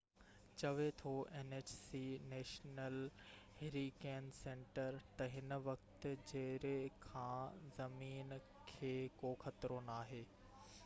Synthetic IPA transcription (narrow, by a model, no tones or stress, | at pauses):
t͡ɕɐʋet̪ʰoʔeːneːt͡ɕsineːʃnəlheɾikeːnsẽːɳʈəɾt̪ɐɦɪn̆ʋɐkt̪ɪ̆d͡ʑɐɾekʰãːzɐmiːn | kʰeːkoːxɐt̪ɾonaːɦeː